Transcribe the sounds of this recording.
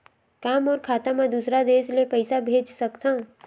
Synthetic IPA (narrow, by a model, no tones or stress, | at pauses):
kaːmɔːɾkʰaːt̪amẽd̪usɾad̪eːʃlepəɪsabʱeːd͡ʒsɐkt̪ã